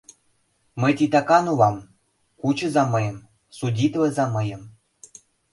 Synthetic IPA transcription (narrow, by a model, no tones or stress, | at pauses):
məjt̪ʲit̪ɑkɑnulɑm | kut͡ɕɤ̆zɑmɤjɤ̆m | sudʲit̪lə̆zɑmɤ̆jɤ̆m